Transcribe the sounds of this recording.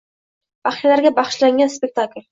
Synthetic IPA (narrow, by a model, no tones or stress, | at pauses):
b̥aχʃlaɾɡʲabaχʃlaŋɡʲanspek̚ʲt̪ʰakʲlʲ